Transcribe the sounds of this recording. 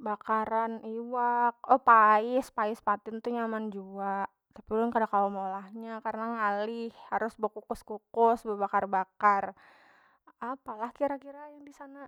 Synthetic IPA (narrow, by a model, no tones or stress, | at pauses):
bakaɾaniwak̚ɔpaɪspaɪspat̪ɪnt̪uɲamand͡ʒuaʔ | t̪apiulʊnkadakaumolahɲakaɾənaŋalɪhhaɾʊsbokukʊskukʊsbəbakarbakar | apalahkiɾakiɾajaŋdisana